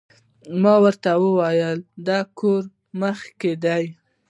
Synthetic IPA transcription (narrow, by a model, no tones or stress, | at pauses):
mɑwəɾt̪awəwɑjəld̪ɑkoɾ | məxked̪aj